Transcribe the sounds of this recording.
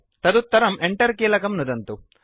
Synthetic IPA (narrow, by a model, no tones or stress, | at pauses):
t̪ɐd̪ut̪ːɐɾɐmeɳʈɐɾkiːlɐkɐmnud̪ɐnt̪u